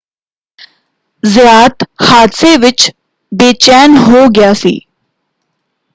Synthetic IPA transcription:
zɪjaːt̪haːd̪seːʋɪt͡ʃ | beːt͡ʃɛːnɦoːɡɪjaːsḭː

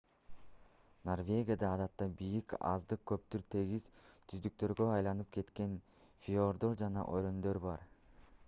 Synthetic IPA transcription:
no̞rvʲe̞ɡʲijad̪ɑːd̪ɑt̪ːɑbijikɑ̰zd̪ɯq̚kːø̞p̚t̪yɾt̪ʰe̞ɡizt̪ʰyzd̪yk̚t̪ø̞ɾɡø̞ɑjlˠɑnɯp̚kʰe̞t̪ke̞n | fʲioɾd̪o̞ɾd͡ʒɑnɑ̰ʔoɾo̞nd̪øɾbɑɾ

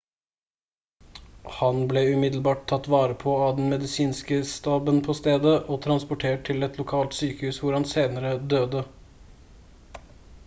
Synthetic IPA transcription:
hɑnblɛʉmɪd̪lbɑːʈ̚t̪ʰɑt̪ːʋɑːɾəpʰoːɑd̪ɛnmɛd̪ɪsiːnskəst̪ɑːbənpʰoːst̪eːd̪əʔoːt̪ʰɾɑnspʊʈʰeːʈ̚t̪ʰɪlɛt̪lʊkʰɑːlt̪syːkəhʉːsʋʊɾhɑnseːnəɾəd̪øːd̪ə

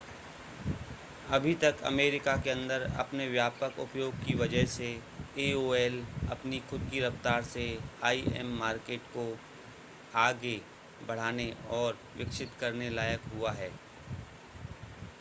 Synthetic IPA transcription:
ɐbʱit̪ɐkɐ̰meːɾɪkakeɐ̃nd̪əɾɐ̰pneʋjaːpəkʊ̰pjoːɡ̚kiʋɐd͡ʒəɦse | eːoːɛlɐpnixʊd̪̚kiɾɐft̪aːɾseaːiɛ̰mːaːɾkeːʈko | aːɡe | bɐɽ̤aːneɔːɾ | ʋɪkʃɪt̪kɐɾnelaːjəkɦuaɦɛː

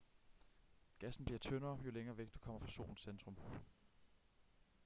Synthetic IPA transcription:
ɡ̥æsn̩b̥liɐt͡sʰønɐːjo̝leŋɐːʋeɡ̥d̥u̥kʰɒ̽m̰ɐfʁɑ̈so̝̰ːln̩send̥ʁɔ̽m

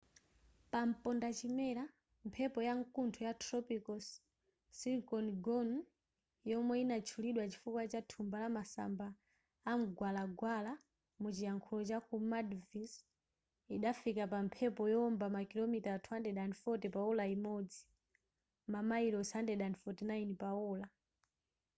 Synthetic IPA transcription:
pam̩pɔndat͡ʃimɛɾa | mpʰɛpɔjaŋkuntʰɔjatʰɾɔpikɔsː | iŋkɔnɡɔn | jɔmwɛinat͡ʃʰuliɗwat͡ʃi̥fukwat͡ʃatʰumbalamasa̰mbaː | m̩ɡwalaɡwala | mut͡ʃijaŋkʰulɔt͡ʃakumadvis | iɗafikapampʰɛpɔjɔmbamakilɔmitatʰwandɛɗanfɔtɛpaulaimɔd͡zi | mamaiɾɔsandɛɗanfɔtinainpauːla

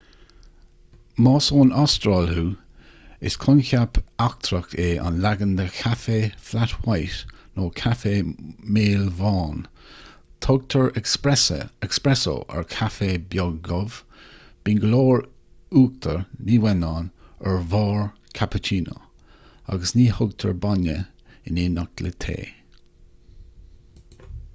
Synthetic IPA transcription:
mɑːsoːnast̪ɾɑːlhuː | ɪ̰skʰʊnkapak̚t̪ʰɾək̚t̪ʰeːʔa̰nlaɡənd̪əkʰafeːflat̪wajʃnoːkʰafeːmeːlvɑːn | t̪ʰoɡ̚t̪ʰəɹ | ɛkspɾɛso̰ʔɛ̰ɹkʰafeːbjɔɡɡɔv | b̥inɡəloːɹ | uːk̚t̪ʰəɹniːwɛnɑːnəɹvɑːɹkʰapət͡ʃʰiːno̰ | a̰ɡəsniːhʊɡt̪ʰə̰ɹbanə | ɪnɪnak̚lət̪ʰḛː

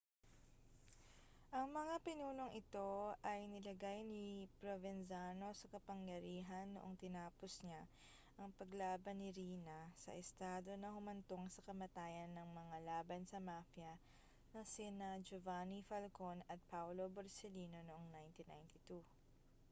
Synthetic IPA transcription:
ʔɐŋmɐŋapɪnuːlo̞ŋʔɪt̪o̞ʔɐjnɪlɐɡajnipɾovɛnsaːno̞sɐkɐpɐŋjɐɾiːɦɐnːoʔoŋt̪ɪnaːpo̞sɲa | ʔɐŋpɐɡlaːbɐnːɪɾiːnɐsɐ̰ʔɛst̪aːd̪o̞nɐhʊmɐnt̪o̞ŋsɐkɐmɐt̪aːjɐnːɐŋmɐŋalaːbɐnsɐmafjɐ | nɐsinad͡ʒovanifɐlkonɐt̪̚pawlo̞boɾsɛliːno̞noʔoŋnajnt̪ina̰jnt̪it̪u

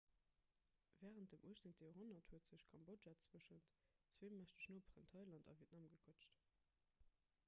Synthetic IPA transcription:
vɛːʁənt̚dəmʔuəʃnintd̥ejoʁɦonɐthuətz̥əɕkʰɑmboʒat͡sbuəʃəntt͡sweːmæʃtəɕnoːbʁəntʰɑɪlɑntɑ̰viətnɑmɡəkʰɔt͡ʃt

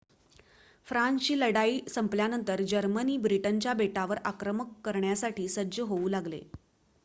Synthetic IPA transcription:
fɾãnɕiːləɽaiːsəmpljanənt̪əɾd͡ʑəɾməniːbɾiʈənt͡ɕjabeʈaʋəɾakɾəməkːəɾɳjasaʈʰiːsəd͡ʑəɦouːlaɡlḛ

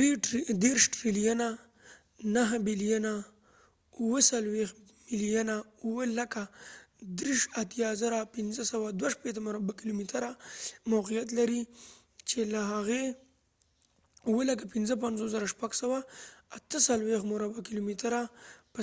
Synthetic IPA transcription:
ed̪eɾʃʈɾilijana | naɦbilijana | uwəsalwex | mɪlijanauwəlakad̪ɾiʃat̪jɑzaɾapɪnzəsawad̪waʃpet̪̬əmʊɾabakilomit̪aɾamawqijat̪̬laɾi | t͡ʃelaɦaɣe | uwəlakapɪnzəpanzos̬zəɾaʃpaɡsawaːt̪əsalwextmʊɾabakilomit̪ɾapə

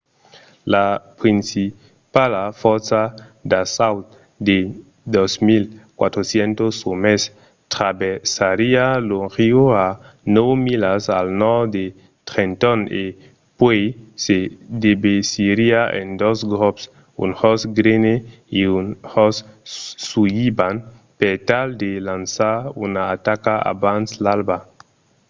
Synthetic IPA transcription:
lapɾinsi | palafɔɾsad̪asawt̪ | d̪e | d̪osmilkwa̰t̪ɾosjent̪osomes | t̪ɾabesaɾialoŋxioa | nowmilasa̰lnɔɾd̪e | t̪ɾent̪ɔne | pwejsed̪ebesiɾiaʔḛnd̪osɡɾɔps | ṵnhɔsɡɾene | iunhɔsː | ujiban | pet̪ald̪elansaɾṵnaːt̪akaa̰banslalba

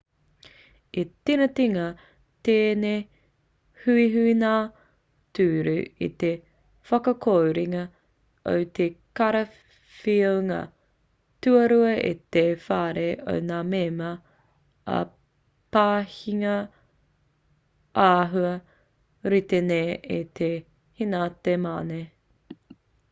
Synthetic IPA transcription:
itinɐtiŋɐ | t̪eːne | hʉiɦʉinaː | tʉːɾʉḭt̪e | fɐkɐkʰowɾiŋɐ | o̰wt̪ʰekɐɾɐ | fiowŋɐ̰ | tʉɐɾuɐʔḭt̪efaːɾeʔo̰wnaːmeːmɐ | ɐ̰ | paːhiŋɐ | aːɦuɐ | ɾit̪eneːit̪ʰe | hinat̪ema̰ːne

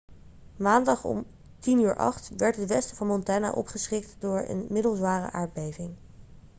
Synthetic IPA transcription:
maːndɑχɔ̰m | tinyːɹʔɑ̰χtʋɛɹtɦətʋɛstəvɑnmɔntaːna̰ʔɔ̰pχəsχɪk̚tdʊːɹə̰nmɪdəlˠzʋaːrə̰ʔaːɹd̚bejvɪŋ

